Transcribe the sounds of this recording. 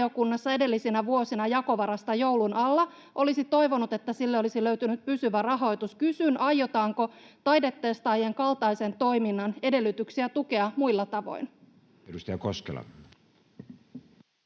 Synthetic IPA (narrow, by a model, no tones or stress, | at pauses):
o̞kunːɑsːɑe̞de̞lːisinæʋuosinɑjɑko̞ʋɑɾɑst̪ɑjo̞wlunɑlːɑ | ʔo̞lisit̪o̞jʋo̞nut̪e̞t̪ːæsilːeo̞lisilø̞yɥt̪ynyt̪̚pysyʋærɑɦo̞jt̪uskysynʔɑjːo̞t̪ɑːŋko̞t̪ɑjde̞t̪ːeːst̪ɑjeŋkɑlt̪ɑjse̞nt̪o̞jminːɑne̞de̞lːyt̪yksiæt̪uke̞ɑmuilːɑt̪ɑʋo̞̰jn | eɾust̪ɑjɑkoskḛlɑ̰